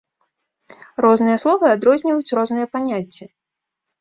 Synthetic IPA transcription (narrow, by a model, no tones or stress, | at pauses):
rɔznɨjɐslˠɔvɨad̪ɾɔzʲnʲivɐjut͡sʲrɔznɨjɛpanʲat͡sʲːɛ